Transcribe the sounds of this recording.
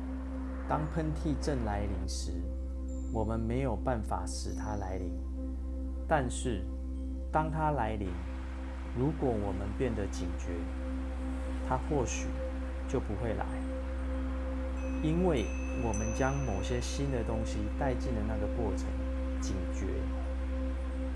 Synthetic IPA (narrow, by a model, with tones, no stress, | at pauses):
t̪ɑ˥ŋpʰə˦nt̪ʰi˥˧ʈ͡ʂə˥˨˩nla˧˦ɪli˧˥ŋʂɻ̩˧˦ | wɔ˨˩mə˦nme˧˥ɪjo˨˩ʊpa˥˩nfa̰˨˩ʂɻ̩˨˩t̪ʰa˦la˧˦ɪli˧˦ŋ | t̪a˥˧nʂɻ̩˥˩ | t̪ɑ˥ŋt̪ʰa˦la˧˥ɪli˧˥ŋ | ɻu˨˥kwɔ˨˩wɔ˨˩mə˦npjɛ˥˩nd̪ə˨t͡ɕi˨˩ŋt͡ɕɥɛ˧˦ | t̪ʰa˦xwɔ˥˩ɕy̰˨˩˦ | t͡ɕjo˥˩ʊpu˨˦xwe˥˩ɪla̰˧˦ɪ | i˦˥nwe˥˩ɪ | wɔ˨˩mə˦nt͡ɕjɑ˦˥ŋmo˨˩ʊɕjɛ˦ɕi˦nd̪ə˨t̪o˥ŋɕi˨t̪a˥˧ɪt͡ɕi˥˩nd̪ə˩na˥˩ɡə˩kwɔ˥˩ʈ͡ʂʰə˧˦ŋ | t͡ɕi˨˩ŋt͡ɕɥɛ̰˧˦